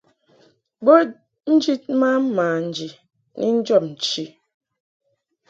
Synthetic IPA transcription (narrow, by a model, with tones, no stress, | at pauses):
ɡ͡bo˦ | n̩˦d͡ʒi˦t̚ma˦m̩˦ma˨n̩˨d͡ʒi˨ | nʔḭ˦n̩˦d͡ʒɔ˦˨p̚n̩˨t͡ʃi˦